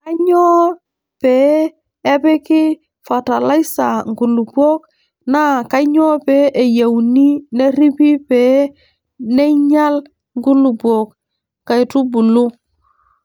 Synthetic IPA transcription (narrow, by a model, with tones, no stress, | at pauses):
ka˦ɲɔ˦ | peː˦ | e˦bɛ˦kɪ˦ | fa˨ta˨la˦i˦sa˨ŋɡu˨lu˨bu˦o˦k | na˦ka˦ɲɔ˦pe˦ʔe˨ja˨wni˦ne˦ɾi˦pi˦peː˦ | ne˦ɲa˦l | ŋɡu˦lu˨buo˨k | kːa˨jtu˦bu˨lu˦